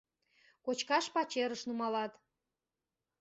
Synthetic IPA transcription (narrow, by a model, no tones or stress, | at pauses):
kot͡ɕkɑʃpɑt͡ɕeɾəʃnumɑlɑt̪